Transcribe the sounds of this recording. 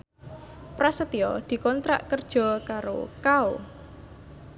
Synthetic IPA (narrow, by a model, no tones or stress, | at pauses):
pɾasət̪iɔd̪̥i̤kɔnt̪ɾa̰ʔkərd̥ʒ̥ɔ̤kaɾo̰kao